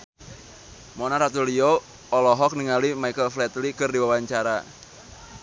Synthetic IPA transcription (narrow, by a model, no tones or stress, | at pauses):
mɔnaɾat̪ulio | ɔlɔɦɔk̚niŋalimaikəlflɛt̪likɨrdiwawaɲt͡ʃaɾa